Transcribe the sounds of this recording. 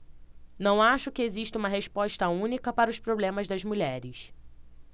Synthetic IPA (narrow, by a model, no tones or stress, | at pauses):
nɐ̃w̃aʃʊkɪeziʃt̪ɐũmɐɦeʃpɔʃt̪ɐũnikɐpaɾɐʊʃpɾoblẽmɐzd̪ɐzmuʎɛɾɪs